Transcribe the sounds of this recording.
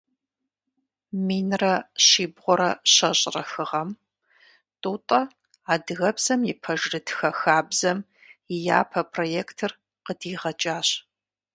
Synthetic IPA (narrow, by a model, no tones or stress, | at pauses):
miːnrɐɕiːbʁʷɔɾɐɕɐɕʼrɐxɨʁɐm | tʼuːtʼɐ | aːdɨɣɐbz̥ɐmjɪpʰɐʒrɨtxɐxaːbzɐm | ɪja̰ːpʰɐpʰroːjeːktʰɨr | qədiːʁɐt͡ʃʼaːɕ